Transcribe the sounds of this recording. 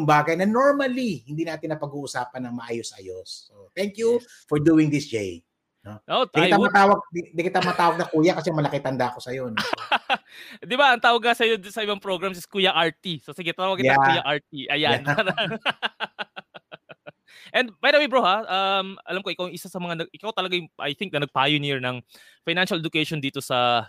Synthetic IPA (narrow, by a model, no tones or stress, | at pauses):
ʊŋbaːɡɐjnɐnoɹmɐlihɪnd̪iːnaːt̪ɪnɐpɐɡuːʔʊsaːpɐnːɐŋmɐʔaːjosʔɐjosːot̪ɛŋkju | fɔɹd̪uːɪŋd̪ɪsd͡ʒej | nooʔ̪aɪt̪amɐt̪aːwɐɡ̪̚d̪ɐkɪt̪amɐt̪aːwɐɡ̚nɐkuːjɐkɐsɛŋmɐlɐkɪt̪ɐnd̪aʔko̞sɐjon | d̪ɪbaʔɐŋt̪aːwɐɡ̚ŋasɐjod̪nsɐʔɪbaŋpɾo̞ɡɹɐmsɛskuːjɐʔaɹt̪isosɪɡet̪aːwɐɡkːɪj̪ɐjaʔaɹt̪̚iʔɐjanaɾ | ʔɛnd̪̚bajd̪ɐwibɹohaʔɐmɐ̰lamkoʔɪkawŋʔɪsasɐmɐŋanɐɡʔɪkawt̪ɐlɐɡajʊŋʔɐ̰jθɪŋk̚nɐnɐɡ̚pajʊniɹnɐŋ | fajnanʃɐlɛd̪ʊkɛjʃond̪iːt̪o̞sɐ